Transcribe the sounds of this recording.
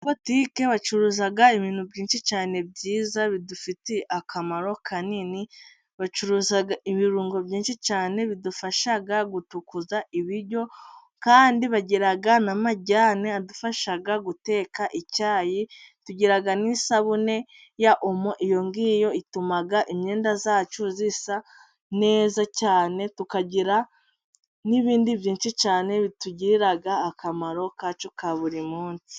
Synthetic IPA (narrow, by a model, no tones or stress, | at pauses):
potiːke̞βat͡ʃuɾuːzaɡaiβiːn̥ubɟiːnʃit͡ʃaːne̞b̚ɟiːzaβidufiteʔakʰamaɾo̞kʰanini | βat͡ʃuɾuːzaɡaʔiβiɾuːŋɡo̞bɟiːnʃit͡ʃaːne̞βidufaʃaɡaɡutukuzaʔiβiɾɟo̞ | kaːndiβaɟeɾaɡanamaɟaːneadufaʃaɡaɡute̞ːkaʔicaːjituɟiɾaɡanisaβune̞ | jaʔomoʔijo̞ŋɡiːjo̞itumaɡaʔimɲe̞ːndazaːt͡ʃuzisa | ne̞ːzacaːne̞tukaɟiɾa | niβiːndivjiːnʃit͡ʃaːne̞βituɟiɾiɾaɡaːkamaɾo̞kat͡ʃo̞kaβuɾimuːnsi̥